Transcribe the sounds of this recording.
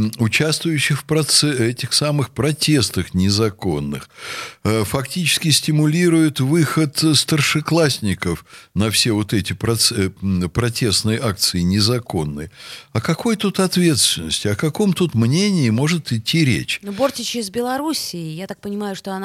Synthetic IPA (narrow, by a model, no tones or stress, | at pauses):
ʊt͡ɕast̪vʊjʉɕːɪxfpɾɐt̪sɛtʲɪxsamɨxpɾɐtʲe̞st̪əxnʲɪzɐko̞nːɨ̰x | fɐktʲit͡ɕɪ̥skʲɪsʲtʲɪmʊlʲiɾʊjʊt̪vɨxət̪st̪ərʂɨklˠasʲnʲɪkəfnɐfsʲe̞vo̞t̪ɛtʲɪpɾɐt̪spɾɐtʲe̞st̪nɨjəʔak̚t̪sɨɪnʲɪzɐko̞nːɨ̰jɐkɐko̞jt̪ut̪ɐt̪vʲe̞t̪st̪vʲɪnːəsʲtʲɪɐkɐko̞mt̪ut̪mnʲenʲɪːmo̞ʐɨt̪ɪtʲːiɾʲḛt͡ɕnobortʲɪt͡ɕɪɪzbʲɪlˠɐɾusʲɪɪjat̪ak̚pənʲɪmajʊʂt̪oɐna